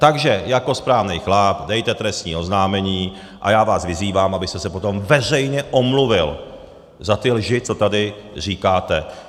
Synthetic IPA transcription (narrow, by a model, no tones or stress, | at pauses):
t̪aɡʒɛjako̞spɾaːvnɛjxlaːpdɛjt̪ɛt̪ɾɛst̪ɲiːo̞znaːmɛɲiː | ʔa̰jaːvaːsvɪziːvaːmʔabɪst̪ɛsɛpo̞t̪o̞mvɛr̝ɛjɲɛʔomluvɪl | zat̪ɪlʒɪt͡so̞t̪adɪr̝iːkaːt̪ɛ